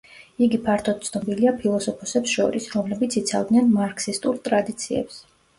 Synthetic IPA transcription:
iɡipʰaɾt̪ʰɔd̪̥̚t̪sʰnɔbiliapʰilˠɔsɔpʰɔsɛpsʃɔɾisɾɔmlɛbit̪sʰit̪sʰa̰vd̪nanmaɾkʰsist̪ʼuɾt̪ʼɾad̪it̪sʰiɛ̰ps

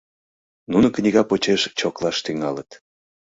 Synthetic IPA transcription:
nunəknʲiɣɑpot͡ɕeʃt͡ɕoklɑʃt̪yŋɑlət̪

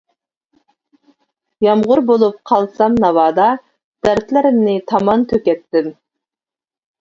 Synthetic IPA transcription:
jɑmʁʊɾbolˠup̚qʰɑlˠsɑmnɑvɑːd̪ɑ | d̪̥æɾt̪lɪɾɪmnɪt̪ʰɑmɑnt̪ʰøkʲɛt̪ːɪm

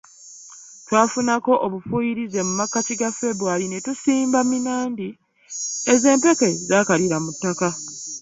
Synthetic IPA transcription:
twaːfunako̞ʔoβufuːjiɾize̞mumakːaciɡafe̞βuwalinetusiːmbaminaːndi | eze̞ːmpe̞ke̞zaːkaliɾamutːaka

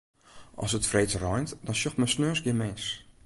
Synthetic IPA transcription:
ʔɔ̰sətfrejt͡srɔjntdɔnsjoxtməsnøːsɡjɪmɛns

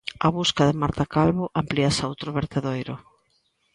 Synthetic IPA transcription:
aβuskaðɪmaɾt̪akalβʊʔampliasowt̪ɾʊβeɾt̪eðojɾʊ

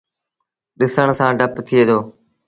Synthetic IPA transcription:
ɗɪsəɳ̃sãːɖʱəpt̪ʰɪeːd̪oː

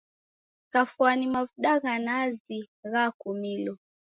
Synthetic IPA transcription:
kafwanimavuɗaɣanazi | ɣakumilɔ

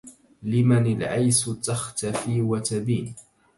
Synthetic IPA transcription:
lɪmanɪlʕajst̪axt̪afiːwat̪abiːn

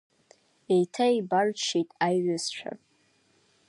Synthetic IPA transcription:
ejtʰaibart͡ʃʰitʼajʕazʃʷᶣʰa̰

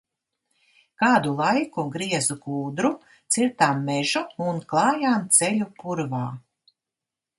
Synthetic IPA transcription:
kaːd̪ulˠajkuɡɾiɛzukuːd̪ɾu | t̪siɾt̪amːɛʒuunklˠɑːjaːnt̪sɛʎʲupuɾvaː

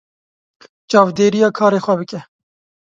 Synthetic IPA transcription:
t͡ʃɑːvd̪eːɾijɑːkʰɑːɾeːxwɛbɨkɛ

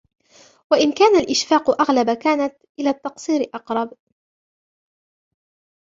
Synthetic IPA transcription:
waʔɪnkaːnalʔɪʃfaːqʊʔaɣlabakaːnat̪ʔɪlaːt̪ːɑqsˤiːɾɪʔɑqɾˤɑb

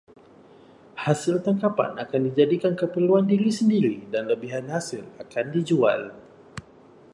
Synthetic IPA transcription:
hasɪlt̪aŋkapa̰nakandid͡ʒadikankəpərluandiɾisəndiɾidanləbiɦanhasɪlakandid͡ʒua̰l

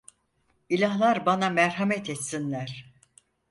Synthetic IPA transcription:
ilʲaɦlˠaɾbanamɛɾhamɛt̪ʰɛt̪sinlʲæɾ̥

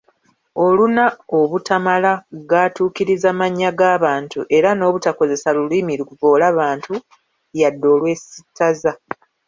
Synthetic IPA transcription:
olunaoβutamalaɡaːtuːkiɾizamaɲːaɡaːβaːntuʔe̞ɾano̞ːβutako̞ze̞saluliːmiɾukuvo̞ːlaβaːntu | jadːo̞ːlwe̞sitʰːaza

